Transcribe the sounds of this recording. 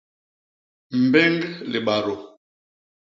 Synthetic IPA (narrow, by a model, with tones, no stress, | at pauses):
m̩˨bɛ˦ŋɡle˨ɓa˨ɾo˨